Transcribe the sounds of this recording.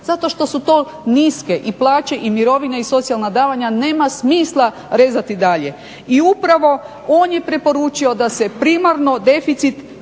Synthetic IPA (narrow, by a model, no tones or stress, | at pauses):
zat̪o̞ʃt̪o̞sut̪o̞ː | niske̞ʔiplˠaːt͡ʃe̞ʔimiɾo̞ʋineiso̞t̪sialˠnad̪aːʋaɲane̞ːmasmiːslˠa | ɾeːzat̪id̪aʎe̞ | iupɾaʋo̞ | o̞ːnje̞pɾe̞po̞ɾut͡ʃio̞d̪ase̞pɾimaɾno̞d̪e̞fit̪sit̪